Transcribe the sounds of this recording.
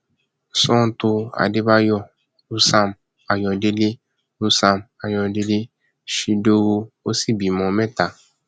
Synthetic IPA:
sɔ̃˦˨˦tu˧a̰˧˨de˦ba˦jɔ˦˨ | ɾu˦sa˧˨m | a˨jɔ̃˧de˦le˦ | ɾu˦sa˧˨ma˨jɔ̃˧de˧˦le˦ | ʃi˧do˦wo˧o˦si˦˨bi˨mɔ̃˧mɛ̃˦ta˨

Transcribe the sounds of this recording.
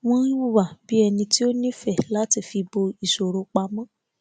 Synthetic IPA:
w̃ɔ̃˦nĩ˦wu˦˨wa˨bi˨˦ɛ˧nĩ˧ti˦o˦nĩ˦fɛ˦˨la˦ti˦˨fi˧bo˧i˨so˨ɾo˨˦k͡pa˧mã˦

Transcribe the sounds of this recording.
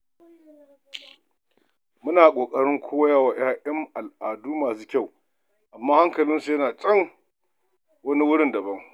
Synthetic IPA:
mʊ˦naː˨kʷʼoː˨kʼɐ˦ɽɪ˦ŋkʷʰoː˦jaː˦˨waː˨j̰aː˦ʔɛ˦mʔa˨lʔaː˨duː˦maː˨suː˦kʲa˦˨w | ʔa˨mːaː˦ha˦ŋkɐ˨lɪ˦nsu˨jɐ˦naː˨t͡ʃʼɐ˦ŋ | wɐ˦ni˦wʊ˦ɽɪ˦ndɐ˨bɐ˦ŋ

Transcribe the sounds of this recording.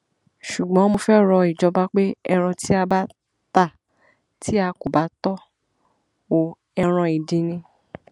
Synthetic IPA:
ʃu˨ɡ͡bɔ̃˨˦mo˧fɛ˦ɾɔ˧i˨d͡ʒɔ˧ba˦k͡pe˦ɛ˧ɾ̃ɔ̃˧tʰi˦a˧ba˦ | ta˦˨ | tʰi˦a˧ko˨ba˨˦tɔ˦ | o˨ | ɛ˧ɾ̃ɔ̃˧i˨dĩ˧nĩ˧

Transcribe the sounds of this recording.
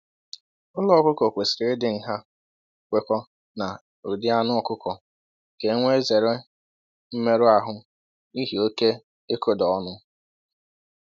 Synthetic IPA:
ɔ˦lɔ˦˨kʊ˦kɔ˨kʷe˨sɪ̥˨ɾɪ˨˦ɪ˦dɪ˨ŋ̩˨ɦa˦ | kʷe˦kʷɔ˦ | na˨ | ɾu˨dɪ˦a˦nʊ˦ɔ˦˨kʊ˦kɔ˨ | ke˨˦ŋʷe˦e˦ze˨ɾe˦ | m̩˦me˦ɾʊ˦a˨ɦʊ˦ | i˦ɦi˨o˦ke˦ | e˦ko˦dɔ˨ɔ˦nʊ˦

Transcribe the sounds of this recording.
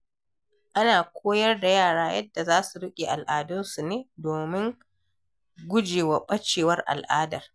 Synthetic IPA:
ʔa˦naː˨kʷʰoː˦jɐ˦rda˨jaː˦˨ɽaː˦jɐ˦dːa˨zaː˦su˨ɽɪ˦kʲʼe˨ʔa˨lʔaː˨dʊ˦nsu˨neː˦doː˨mɪ˦ŋ | ɡʷʊ˦d͡ʒeː˨wɐ˨ɓɐ˦t͡ʃeː˨wɐ˦rʔa̰˨lʔaː˦dɐ˨r

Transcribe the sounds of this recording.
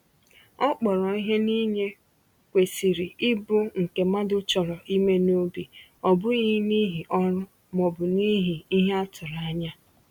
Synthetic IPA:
ɔ˦k͡pɔ˨ɾɔ˨i˦ɦe˦ni˦ɲe˦ | kʷe˨si˨ɾi˨ɪ˦bʊ˦ŋ̩˨ke˨ma˦dʊ˦t͡ʃɔ˨ɾɔ˨ʔi˦me˦no˦bi˨ɔ˨bʊ˦i˦ni˦ɦi˨ʔɔ˦ɾʊ˦ | mɔ˨bʊ˨ni˦ɦi˨i˦ɦe˦a˦tʊ˨ɾa˨a˦ɲa˦

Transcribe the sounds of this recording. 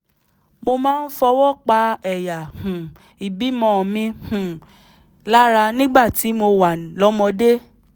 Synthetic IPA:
mo˧mãː˦n̩˦fɔ˧wɔ˦˨k͡pa˧˦ɛ˨ja˨hũ˨ | i˨bi˨˦mɔ̃˦˨mĩ˧hũ˨ | la˦ɾa˧nĩ˦ɡ͡ba˦˨ti˨˦mo˧wa˨lɔ˨˦mɔ̃˧de˦

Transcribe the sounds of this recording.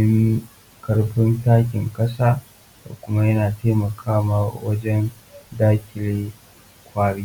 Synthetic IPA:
ɪ˦ŋ | kɐ˦rɸɪ˦ntaː˦k̬ʲɪ˨ŋkʼɐ˦saː˦ | ta̰˨kʷʊ˦ma˦jɐ˦naː˨teː˦mɐ˨kʰaː˦ma˨wɐ˦d͡ʒɛ˦n | daː˦kʲɪ˨leː˦ | kʷaː˨ɽiː˦

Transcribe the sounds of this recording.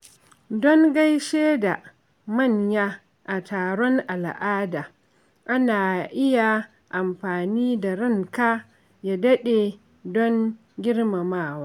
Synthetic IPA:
dɔ˦ŋɡa˦jʃeː˦da˨ | mɐ˦˨ɲja˦ | ʔa˨tʰaː˨ɽɔ˦ŋʔa˨lʔaː˦daː˨ | ʔa˦naː˨ʔɪ˦ja˨ | ʔa˨mɸaː˨niː˦da˨ɾɪ˦˨ŋkaː˦ | ja˦dɐ˦ɗe˨ | dɔ˦ŋ | ɡʲɪ˦ɽma˨maː˦˨waː˦

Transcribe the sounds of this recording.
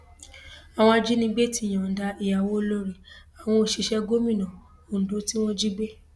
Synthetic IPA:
a˨w̃ɔ̃˧a˧d͡ʒi˦nĩ˧ɡ͡be˦ti˦˨j̃ã˨da˧i˨ja˨wo˨˦lo˦ɾi˨a˨w̃ɔ̃˧o˨ʃi˧ʃɛ˧ɡo˦mĩ˦˨nã˨ | o˨n̩˨do˨˦ti˦w̃ɔ̃˦d͡ʒi˦ɡ͡be˦

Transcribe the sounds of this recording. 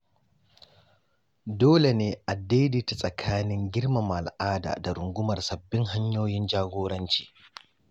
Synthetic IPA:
doː˦le˨neː˨˦ʔa˨dːe˦jdiː˦ta˨sʼɐ˨kʰaː˦nɪ˦ŋɡʲɪ˦rma˨m˨a˨lʔaː˦da̰ː˨da˨ɾʊ˨ŋɡʷʊ˦mɐ˨rsɐ˨bːɪ˦ŋɦa˦ɲjoː˦jɪ˦nd͡ʒaː˦ɡʷoː˦ɽɐ˦nt͡ʃi̥ː˨

